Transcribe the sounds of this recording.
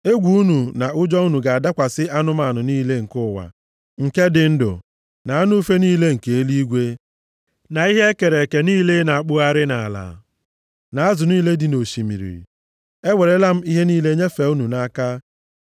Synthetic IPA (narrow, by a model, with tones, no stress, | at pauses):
e˦ɡʷu˨u˦nu˨na˨ʔʊ˦d͡ʒɔ˦u˦nu˨ɡa˨a˨da˦kʷa˨sɪ˦ʔa˦nʊ˦m˦a˨nʊ˨niː˦le˦ŋ̩˨kʊ˦˨wa̰˨ | ŋ̩˨ke˦dɪ˨n̩˦dʊ̰˨ | na˨a˦nʊ˦u˦fe˦niː˦le˦ŋ̩˨ke˨e˦li˦ɡʷe˦ | na˨i˦ɦe˦ke˨ɾe˨ke˨niː˦le˦na˨a˨k͡pʊ˦a˦ɾɪ˦na˨a˨la̰˨ | na˨a˦zʊ˨niː˦le˦di˨no˨ʃi˨mḭ˨ɾḭ˨ | e˦we˨ɾe˦la˦m̩˦i˦ɦe˦niː˦le˦ɲe˦fe˨u˦nu˨na˦ka˦